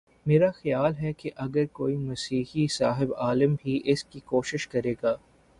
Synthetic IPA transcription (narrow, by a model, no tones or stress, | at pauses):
meːɾaxɐjaːlɦɛkeʔɐɡəɾkoːimɐsiːhisaːɦɪbaːləmbʱiʔɪskikoːʃɪʃkɐɾeːɡaː